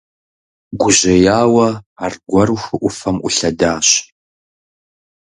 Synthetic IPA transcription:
ɡʷʊʑɐjaːwɐaːrɡʷɐɾuxʷɨʔʷʊfɐmʔʷʊɬɐdaːɕ

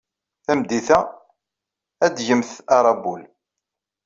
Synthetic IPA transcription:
θæmd̪iθæ | æd̪ʝəmθɑɾˤɑbul

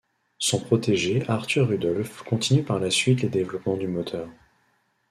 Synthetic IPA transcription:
sɔ̃pχɔt̪eʒeaʁt̪yʁːyd̪ɔlfkɔ̃t̪inypaʁlasɥit̪ləd̪evlɔpmɑ̃d̪ymɔt̪ʰœːʁ

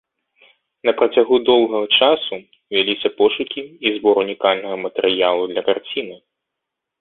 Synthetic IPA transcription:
nɐpɾɐt͡sʲaɣud̪ɔlˠɣɐɣɐt͡ʂasu | vʲalʲisʲɐpɔʂukʲiːzbɔɾunʲikalʲnɐɣɐmɐt̪ɛɾɨjalˠud̪lʲɐkart͡sʲinɨ

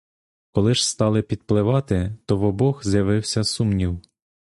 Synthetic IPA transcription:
kɔlˠɪʒ̥st̪ɑlˠɪpʲid̪̥̚plˠɪʋɑt̪ɪt̪ɔʋɔbɔxzjɐʋɪwsʲɐsumnʲiw

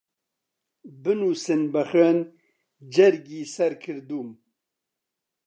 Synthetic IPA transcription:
bɨnuːsɨnbɐxəːn | d͡ʒɐɾɡiːsɐɾkʰɨɾd̪uːm

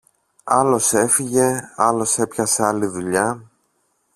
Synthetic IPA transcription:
ɐlo̞se̞fiʝe̞ɐlo̞se̞pçɐseɐliðuʎɐ

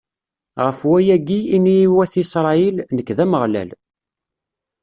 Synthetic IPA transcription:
ʁəfwæjæɡiːnijːwæθisɾˤɑilnəkːðæməʁlæ̰l

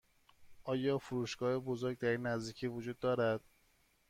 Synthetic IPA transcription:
ʔɒːjɒːfuɾuːʃɡ̥ɒːhebozoɾɟ̚d̪æɾinːæzd̪iːcʰiːvod͡ʒuːd̪̚ːɒːɾæd̪̥

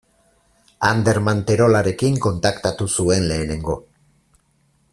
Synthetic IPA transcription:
and̪e̞ɾmant̪e̞ɾo̞laɾe̞kiŋko̞nt̪akt̪at̪usue̞nle̞ːne̞ŋɡo̞

